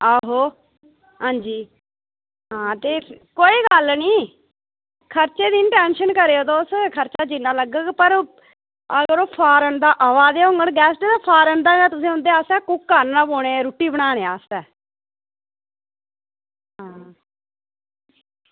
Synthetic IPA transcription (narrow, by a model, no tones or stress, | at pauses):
əɦoː | ɦãːɲd͡ʒiː | ɦãːt̪eːkoːiːɡəlniː | kʰəɾt͡ʃeːd̪inʈɛːnʃənkəɾeːoːt̪oːskʰəɾt͡ʃaːd͡ʒinaːləɡəɡpəɾ | əɡəɾoːpʰaːɾənd̪aːʔəʋaːd̪eːɦõŋɡəɳɡɛːsʈed̪aːpʰaːɾənd̪aːɡɛːt̪ʊsẽːɦʊ̃nd̪eːaːst̪ɛːkʊkːanːãːpoːɽeːɾuːʈːiːbəɽaːneːaːst̪ɛː | ɦãː